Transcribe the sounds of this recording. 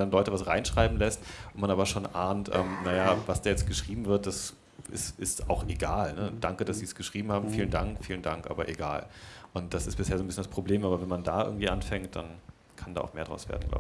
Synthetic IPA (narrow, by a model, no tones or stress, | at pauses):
danlɔʏtəvasʁaɪnʃʁ̥aɪbm̩lɛstʔʊntmanʔaːbɐʃoːnʔaːntʔɛ̰ːmnajavasd̥aːjɛt͡stɡ̥əʃʁ̥iːbm̩vɪɐt̚d̥as | ʔɪ̰sɪsta̰ʊxʔeɡaːlnəd̥aŋkədasz̥iːsɡ̥əʃʁ̥iːbm̩haːbm̩fiːləndaŋkfiːləndaŋkʔa̰ːbɐʔeɡa̰ːlʔʊnt̚d̥asɪstb̥ɪsheːzoːnbɪsçjəndaspʁ̥obleːmʔaːbɐvɛnmanda̰ːʔɪ̰ɡŋ̩tv̥iːʔanfɛŋt̚d̥a̰n | kʰanda̰ːʔʊxmeːɐdʁa̰ʊsv̥ḛɐdn̩ɡla̰ʊ